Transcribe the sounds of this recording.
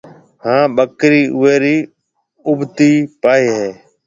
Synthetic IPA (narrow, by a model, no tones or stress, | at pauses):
hãːɓəkɾiːʔʊʋeːɾiː | ʊbt̪iːpaːiːɦeː